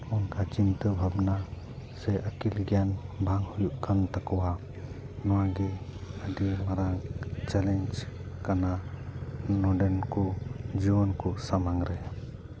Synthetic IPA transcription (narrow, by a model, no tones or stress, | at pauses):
ɔŋkʰat͡ʃintɯbʱabna | sejʔakilɡianbaŋhujuʔkʰantakɔwa | nɔaɡeadimaɾaŋt͡ʃalend͡ʒkana | nɔdenkʰud͡ʒiɔnkʰusamaŋɾe